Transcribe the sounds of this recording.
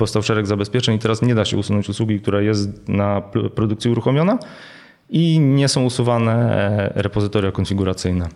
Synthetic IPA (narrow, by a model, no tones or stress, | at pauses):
pɔfst̪awʂɛɾɛɡzabɛspʲjɛt͡ʂɛɲit̪ɛɾasɲɛd̪aɕɛ̰usunɔ̃ɲt͡ɕuswuɡʲik̚t̪uɾajɛst̪nappɾɔd̪ukt̪sʲiuɾuxɔmʲjɔna | iɲɛsɔ̃w̃usuvanɛɾɛpɔzɘt̪ɔɾjakɔnfʲiɡuɾat̪sɘjnɛ